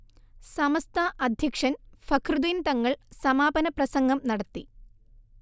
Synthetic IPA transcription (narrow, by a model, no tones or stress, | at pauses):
sɐmɐst̪ʰaːʔɐd̪ʱjɐkʂɐnfɐkʰrɨðiːnt̪ɐŋːɐɭsɐmaːbɐnɐprɐsɐŋɡɐmnɐɽɐt̪ːḭ